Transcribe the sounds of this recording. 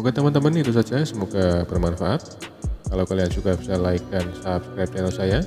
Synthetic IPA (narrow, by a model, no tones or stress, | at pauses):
muɡat̪əmənt̪əmənːɪit̪us̬ad͡ʒasəmuɡabərmanfaʔat̪̚kalawkaliansuɡabi̥salajkansapskɾajp̚t͡ʃɛnalsaja